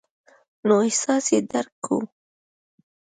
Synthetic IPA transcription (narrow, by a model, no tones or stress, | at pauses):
noehsɑsed̪aɾkʰːṵ